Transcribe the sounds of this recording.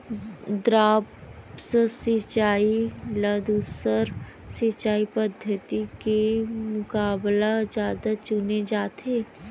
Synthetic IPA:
d̪ɾaːpsəsɪt͡ʃaːiləd̪usəɾ | sɪt͡ʃaːipəd̪ʱjət̪ikemʊkaːblad͡ʒjaːd̪at͡ʃʊned͡ʒaːt̪ʰeː

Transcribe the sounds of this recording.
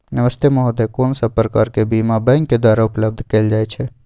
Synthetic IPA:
nəʋəst̪ʰemɔɦod̪ekoːnsəbpɾəkaːɾkebimabə̃ŋkkːed̪waːɾaʊpləb̚d̪ʱkeːld͡ʒaːjt͡ʃʰɛ

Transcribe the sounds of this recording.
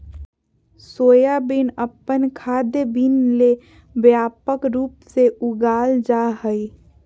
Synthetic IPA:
soːjabinəpːənkʰad̪jəbinle | bjaːpəkɾuːpseʔʊɡaːld͡ʒaɦəi

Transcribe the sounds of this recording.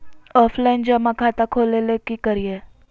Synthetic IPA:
ɔːfʰlaind͡ʒəmãkʰat̪akʰolelekikəɾie

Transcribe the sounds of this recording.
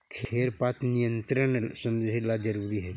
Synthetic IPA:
kʰeːɾpaːt̪nijə̃nt̪ɾəɳsə̃nd̪ɦlad͡ʒɐɾuːɾiɦɛː

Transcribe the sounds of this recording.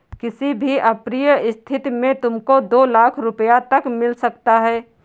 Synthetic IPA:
kɪsibʱiʔɐpɾijəɪst̪ʰɪt̪imẽt̪ʊmkod̪oːlaːkʰɾʊpəjat̪ɐkmɪlsɐkt̪aɦɛː

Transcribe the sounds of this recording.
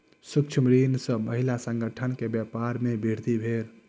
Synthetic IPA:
sukt͡ʃʰəmɾinsəməɦilasəŋɡəʈʰənkebjapaɾmebʱiɽt̪ibʱeɾ

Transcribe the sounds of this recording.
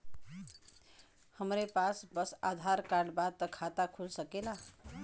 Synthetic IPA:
həmɾepasbəsa̰d̪ʱaɾkaɳbad̪̚t̪əkʰat̪akʰulsəkela

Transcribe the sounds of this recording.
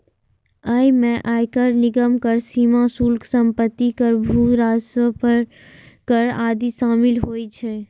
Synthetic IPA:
əjmẽʔaːjkəɾnɪɡəmkəɾsimasulksəmpət̪ːikəɾbʱuɾasəpəɾ | kəɾaːd̪isaːmilɦoːjt͡ʃʰɛ

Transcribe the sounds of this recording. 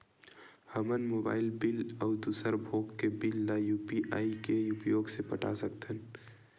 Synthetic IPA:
həmənmoːba̰ːɪlbɪlɔːd̪uːsəɾbʱoːkːebɪlːajuːpiʔaːikeʊpjoːɡsepəʈa̰sək̚t̪ʰən

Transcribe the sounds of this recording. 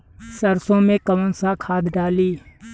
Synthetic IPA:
səɾsõmẽkɐʋənsakʰaːd̪ɖaːliː

